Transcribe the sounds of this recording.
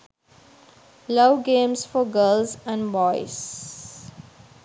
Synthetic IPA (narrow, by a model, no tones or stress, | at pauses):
loʊɡẽːmsfɔɡəːlzæ̃nɖbɔɪz